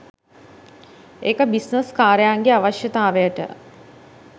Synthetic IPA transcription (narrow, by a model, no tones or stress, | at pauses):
ekəbisnəskaːɾəjaːŋɡeaʋaʃjət̪aːʋejəʈə̰